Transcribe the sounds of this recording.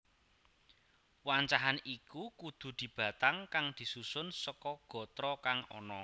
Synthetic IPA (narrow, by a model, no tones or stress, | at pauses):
waɲt͡ʃaɦanikukud̪̥ṳd̪̥i̤b̥ä̤t̪aŋkaŋd̪̥i̤susʊnsɔkɔɡ̥ɔ̤t̪ɾɔkaŋɔ̰nɔ